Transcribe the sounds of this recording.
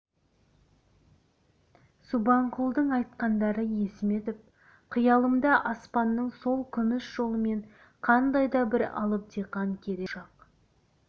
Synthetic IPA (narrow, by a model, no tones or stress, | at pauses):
subɑɴqʰulˠd̪əɴɑjt̪̚qɑnd̪ɑɾəje̞sɪme̞t̪ɪp̚ | qʰəjɑlˠəmd̪ɑʔɑspɑnːəɴso̞lˠkʲʰʏmɪsʒo̞lˠəme̞ɴ | qʰɑnd̪ɑjd̪ɑbɪɾɑ̰lˠəp̚d̪iqɑŋkʲʰe̞ɾeʒɑq